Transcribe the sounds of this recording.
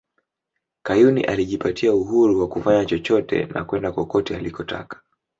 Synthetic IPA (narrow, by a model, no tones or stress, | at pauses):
kajunḭʔaliʄipatʰiauɦuɾuwakufaɲat͡ʃɔt͡ʃɔtɛ̰na̰kwɛndakɔkɔtɛalikɔtʰa̰kḁ